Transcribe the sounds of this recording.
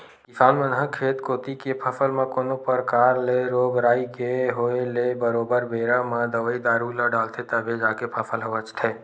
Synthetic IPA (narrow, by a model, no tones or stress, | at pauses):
kɪsaːnmənɦəkʰeːt̪koːt̪ikepʰəfəlmãkoːnopəɾkaːɾleɾoːɡɾaːikeɦoːelebəɾoːbəɾbeːɾamãd̪əʋəid̪aːɾuːlaɖaːlt̪ʰet̪əbʱed͡ʒaːkepʰɐfʰəlɦəʋət͡ʃt̪ʰeː